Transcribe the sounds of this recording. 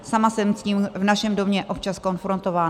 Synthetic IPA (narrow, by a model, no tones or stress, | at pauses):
samasɛmsciːmvnaʃɛmdomɲɛʔop̚t͡ʃasko̞nfɾo̞nt̪o̞vaː